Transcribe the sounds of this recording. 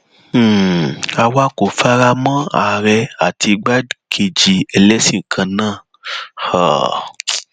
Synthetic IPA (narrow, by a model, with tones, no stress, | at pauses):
a˧wa˧˦ko˨fa˦ɾa˧mã˦a̰˨ɾɛ˧a˦˨tʰi˧ɡ͡ba˦kʰe˨d͡ʒi˨ɛ˧lɛ˦sĩ˦˨ŋ̩˨kʰã˧nãː˦˨ | ha˨